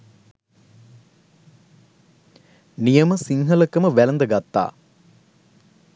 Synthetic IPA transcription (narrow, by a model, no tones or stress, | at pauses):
nijəməsiŋɦələkəməʋælɐnd̪əɡat̪ːa̰ː